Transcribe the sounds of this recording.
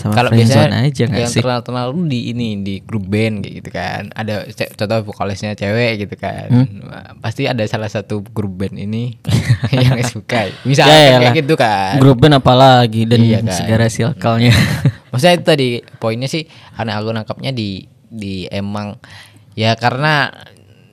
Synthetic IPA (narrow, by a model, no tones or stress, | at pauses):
samakaloɾɛbas̬aɲaana̰d͡ʒaŋajaŋrnalt̪ənaludiʔːnidiɡɾubɛnɡɛ̰ɡit̪uka̰na̰dat͡ʃt͡ʃɔt̪ɔfukolɛsɲat͡ʃewɛʔɡit̪uka̰na̰ | past̪iadasalahsat̪uɡɾubɛnḭni | jaŋsukaimis̬alajalakit̪̬ukaɡɾubɛnapalaɡidanjaŋkassəɡəɾasilkalɲapaksiait̪ut̪adipoinɲasɪh | anaaɡunaŋkap̚ɲadi | diemaŋ | jakaɾəna